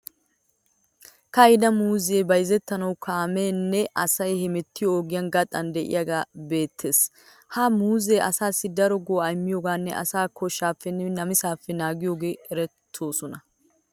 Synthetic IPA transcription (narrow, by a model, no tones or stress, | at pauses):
kɐjd̪ɐmuːzeːbɐjzɛt̪ːɐnɐwkʰaːmeːnːɛʔɐsɐjhɛmɛt̪ːɪjoːɡɪjɐnɡɐt̪ʼɐnd̪ɛʔɪ̰jɐɡaːbe̞ːt̪ʰːe̞ːs | haːmuːzeːʔɐsaːsːɪd̪ɐɾɔɡoːɐjmːɪjoːɡaːnːɛ̰ʔɐ̰saːkɔʃːaːfːɛnɛnɐmɪsaːfːɛnaːɡɪjoːɡe̞ːɛɾɛt̪ʰːo̞ːsɔnɐ